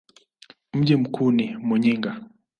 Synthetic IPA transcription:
m̩ʄim̩kʰunimɔɲiŋɡa

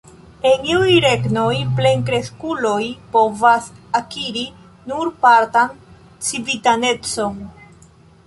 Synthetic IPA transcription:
e̞niujɾe̞ɡno̞jple̞ŋkɾe̞skulo̞jpo̞vasakiɾi | nuɾpaɾtan | t͡sivitane̞t͡so̞n

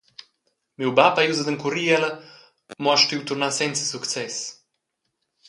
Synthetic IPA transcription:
miwbapajuzəd̪əŋkuɾiɛlə | muaʃtiwt̪uɾnasɛnt͡sə̥sukt͡sɛs

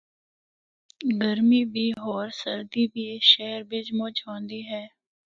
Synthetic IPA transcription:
ɡəɾmiːbiːɦoːɾsəɾd̪iːbiːeːʃɛːɾbɪt͡ʃmʊt͡ʃɦõːnd̪iːɦɛː

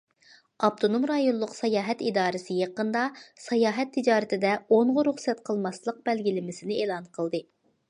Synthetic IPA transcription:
ɑp̚t̪ʰonomɾɑjonlˠʊqsɑjɑːɦɛt̪id̪ɑːɾɨsɨjeqənd̪ɑsɑjɑːɦɛt̪ʰːɪd͡ʒɑːɾɨt̪ʰɪd̪ɛoɴʁʊɾuχsɛt̪qʰəlˠmɑslˠəq̚bɛlɡʲilɪmɪsɪnɪeːlˠɑnqʰəlˠd̪ɨ

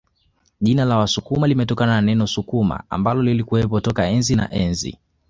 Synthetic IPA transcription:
ʄinalawasukumalimɛtɔkanananɛnɔsukuma̰a̰mbalɔlilikuwɛpɔtɔkaɛnzina̰ʔɛnzḭ

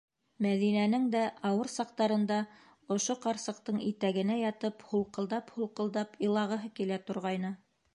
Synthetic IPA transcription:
mæðinænɘŋd̪æʔɑwɤɾsɑq̚t̪ɑɾɤ̆nd̪ɑ | ŏʃoqɑɾsɤ̆q̚t̪ɤɴit̪æɡɘ̆næjɑt̪ɤphulˠqɤ̆lˠd̪ɑphulˠqɤ̆lˠd̪ɑpɤ̆lˠɑʁɤ̆ɦɤkilæt̪ŏɾʁɑjnɤ

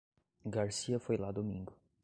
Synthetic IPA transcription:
ɡaɾsiɐfojlad̪omĩŋɡʊ

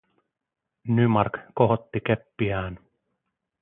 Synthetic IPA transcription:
nymɑrkkoɦot̪ːikepːiæːn

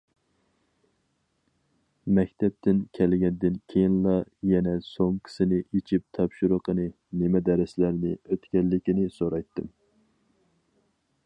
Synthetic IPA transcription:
mɛkʲt̪ʰɛp̚t̪ʰɪnkʲʰɛlɡʲɛnd̪ɪnkʲʰejinlˠɑjɛnɛsoŋkʲʰɪ̥sɪnɪʔit͡ʃʰip̚t̪ʰɑpʃuɾʊqʰənɨ | nɪmɛd̪ɛɾɪslæɾnɪøt̪kʲɛlːɪkʲinɪsoɾɑjt̪ːɨm

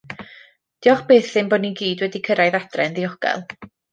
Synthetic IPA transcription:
d̥ɪɔχb̥eːθɪmbɔdniɡiːdwɛdikʰəɾajðad̥rɛnðiɔɡ̥ɛ̰lˠ

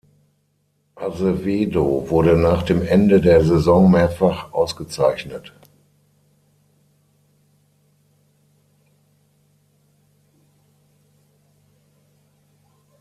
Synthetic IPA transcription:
ʔazəveːdovʊɐdənaːχd̥eːmʔɛndədeːɐzɛzɔŋmeːɐfaχʔaʊsɡ̥ət͡saɪçnət

